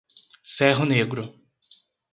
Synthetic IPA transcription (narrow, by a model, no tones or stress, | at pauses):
sɛɦʊneɡɾʊ